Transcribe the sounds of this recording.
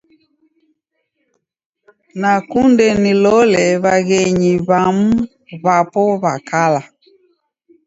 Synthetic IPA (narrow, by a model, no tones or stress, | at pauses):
nakundɛnilɔlɛβaɣɛɲiβamu | βapɔβakala